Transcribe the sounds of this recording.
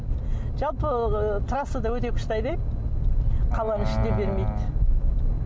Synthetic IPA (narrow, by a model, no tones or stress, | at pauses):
ʒɑlˠpət̪ʰɾɑsəd̪ɑwɵt̪e̞kʲʰʏ̥ʃt̪ɑjd̪e | qʰɑlˠɑnəɪʃɪnd̪e̞be̞ɾmejd̪ɪ